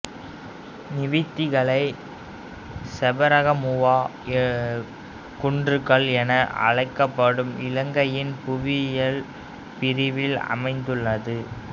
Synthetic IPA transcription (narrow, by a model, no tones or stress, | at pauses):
nɪʋɪt̪ːɪɣɐɭɐɪ | sɛbɐɾɐɣɐmʊʋaː | kʊɳdrɯkːɐɭɛnɐʔɐ̰ɻɐɪkːɐpːɐɽɯmɪlɐŋɡɐjɪnpʊʋɪjɐl | pɪɾɪʋɪlɐ̰mɐɪnd̪ɯɭːɐðɯ